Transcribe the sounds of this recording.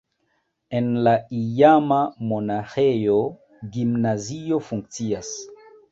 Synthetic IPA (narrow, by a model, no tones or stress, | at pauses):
enlaijamamonaxejo | ɡimnazio̞fuŋk̚t͡sias